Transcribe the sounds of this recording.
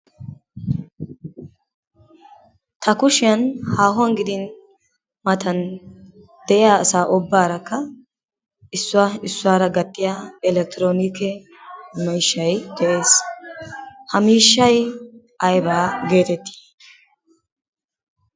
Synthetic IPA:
t̪ʰɐkʊʃɪjɐnhaːɦʊɐnɡɪd̪ɪn | mɐt̪ɐn | d̪̥ɛʔɪjaːsaːʔɔbːaːɾɐkːɐ | ɪsːʊwaɪsːʊwaːɾɐɡɐt̪ːɪjaɪlɛk̚t̪ɪɾoːnɪkɛ | mɛjʃːɐjd̪̥ɛʔe̞ːs | hɐmiːʃːɐj | ʔɐjbaːɡe̞ːt̪ɛt̪ːi̥ː

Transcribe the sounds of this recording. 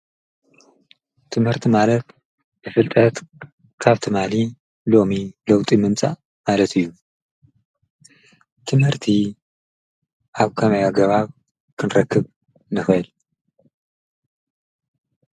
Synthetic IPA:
t̪ʰɨmhɨɾt̪ʰimalɐt̪ | bɨfɨlt̪ʼɐt̪ | kʰaβt̪ʰɨmali | lo̞milɐwt̪ʼimɨmt͡sʼa̰ | malɐt̪ʰɨjːu | t̪ʰɨmhɨɾt̪ʰi | ʔaβkʰɐmɐjaɡɐβaβ | kʰɨnɾɐkʰːɨβ | nɨxɐl

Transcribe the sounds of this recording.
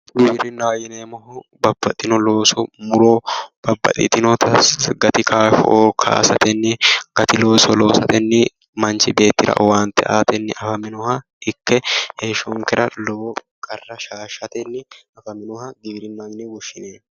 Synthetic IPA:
ɡɪbɾɪnːɐwjɪneːmɔɦʊ | bɐbːɐt̪ʼːɪnɔlo̞ːsɔmʊɾoːb̥ɐbːɐ̰t̪ʼɪ̰t̪ɪnɔt̪ʰɐsɡɐt̪ɪkʰaːʃɔ̰ʔoːkʰa̰ːsɐt̪ɛnːɪɡ̥ɐt̪ɪlo̞ːsɔlo̞ːsɐt̪ɛnːɪ | mɐnt͡ʃɪbe̞ːt̪ːɪɾɐ̰waːnt̪ːɛʔaːt̪ɛnːɪʔɐfɐmɪnɔhɐ | ɪkːɛheːʃɔŋkɛɾɐloː | kʼɐrːɐʃaːʃɐt̪ɛnːɪɐfɐmɪnɔhɐɡɪbɾɪnːajɪnɛwʊʃːɪneː

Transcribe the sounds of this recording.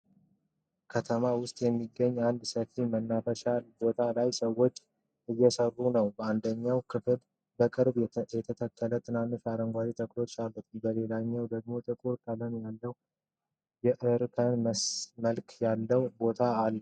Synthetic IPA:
kʰət̪ʰəmawʊst̪ʼjɛmːiɡːəɲːand̪səfimənːafəʃalbo̞t̪ʰalajsəwːo̞t͡ʃʼː | ʔɨjːɛsərːunəwbəand̪əɲːawkʰɨfɨl | bəkʼɨɾbjɛt̪ʰət̪ʰəkʰːələt̪ʰɨnanːifaɾəŋɡʷazit̪ʰəklo̞t͡ʃːalət̪ʰʼumbəle̞laɲːəwd̪əɡ̚mo̞t̪ʼɨkʼuɾkʼələmjalːəw | jɛʔɨɾkʰənməlkjalːəwbo̞t̪ʰaːlːə

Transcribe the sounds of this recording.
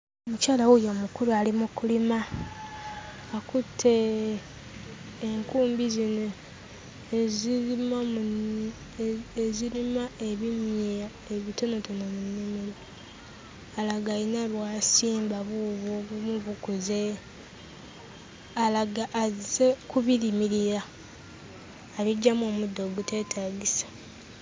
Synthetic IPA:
oomucaːlawojomukuɾualimukulima | kutʰːe | ŋkuːmbizino | zm | ezilimaeβimje | eβito̞no̞tonomunnimiɾa | laɡainaβwasiːmbaβuβoβumuβukuze | alaɡaʔːzekuβiɾimiɾiɾa | βiɟːamo̞ːmudːo̞ːɡute̞ːtʰaːɡisḁ

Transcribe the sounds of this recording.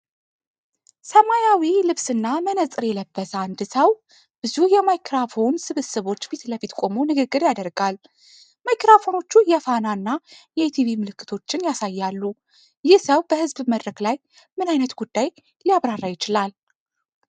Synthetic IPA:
səmajawilɨβsɨnːamənəsʼɨɾjɛləbːəsand̪səw | b̥ɨzujɛmajkʰɾafo̞nsɨβɨsɨβo̞t͡ʃːbit̪ləfit̪kʷʼo̞monɨɡɨɡːɨɾjad̪əɾɡal | majkɾafo̞no̞t͡ʃːujɛfananːajɛt̪ʰivimɨlɨkʰːɨ̥t̪ʰo̞t͡ʃːɪnjasajːalːu | jɪhsəwbəhɨzbməd̪ɾəklaj | mɨnajnət̪ɡ̥ud̪ːaj | lijaβɾarːajɪt͡ʃɪlal

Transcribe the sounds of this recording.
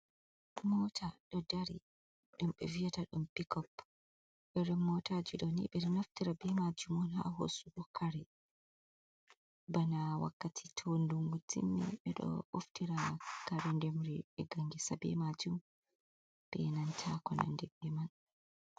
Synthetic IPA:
mɔtʰaɗɔdaɾi | ɗumɓɛvijataɗumpikɔp | ɓɛɾɛmɔtad͡ʒiɗɔnḭɓɛɗɔnaftiɾabɛmad͡ʒumɔnɦa̰ɦo̰sukɔkʰaɾɛ | banawa̰kːatʰi̥tʰonduŋɡutḭnːɛ̰ɓɛɗɔ̰oftiɾakaɾɛndɛmɾiɛɡaŋɡisabɛ̰mad͡ʒum | b̥ɛ̰nantʰakɔna̰ndɛbɛman

